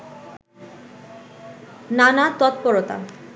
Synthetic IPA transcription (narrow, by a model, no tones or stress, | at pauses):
nanat̪ɔt̪pɔɾot̪a̰